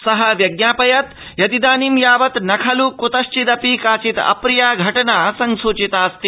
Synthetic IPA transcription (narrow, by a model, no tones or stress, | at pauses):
sɐɦɐʋjɐɡnaːpɐjɐt̪ | jɐt̪id̪aːnimjaːʋɐt̪nɐkʰɐlukut̪ɐʃt͡ʃid̪ɐpikaːt͡ʃit̪ɐ̰pɾijaːɡʱɐʈɐnaːsɐŋsuːt͡ʃit̪aːst̪i